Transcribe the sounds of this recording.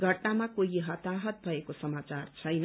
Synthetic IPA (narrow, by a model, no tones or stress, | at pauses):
ɡʱʌʈnamakoɦiɦʌt̪aɦʌt̪̚bʱʌekosʌmat͡sart͡sʰʌjn